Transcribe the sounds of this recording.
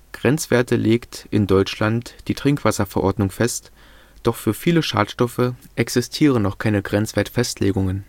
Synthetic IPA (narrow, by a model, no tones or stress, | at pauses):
ɡ̥ʁɛnt͡sv̥eːɐtəleːktʔɪndɔʏt͡ʃlantd̥iːtʁ̥ɪŋkv̥asɐfɛɐʔɔɐdnʊŋfɛst | d̥ɔχfyːɐfiːləʃa̰ːtʃtɔfəʔɛksɪstʰiːʁ̞ənɔχkʰaɪnəɡʁɛnt͡sv̥eːɐtfɛstʰleːɡʊŋən